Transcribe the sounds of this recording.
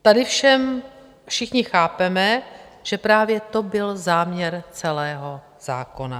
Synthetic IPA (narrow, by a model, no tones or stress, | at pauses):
t̪adɪfʃɛm | fʃɪxɲɪxaːpɛmɛ | ʒ̥ɛpɾaːvjɛt̪o̞bɪlzaːmɲɛɾt͡sɛlɛːɦo̞ | z̥a̰ːko̞na